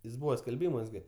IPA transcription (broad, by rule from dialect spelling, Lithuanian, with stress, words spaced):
jɪs ˈbuːʋɐ sʲkʲɛlʲˈbʲiːmuɔs ˈɡʲɪ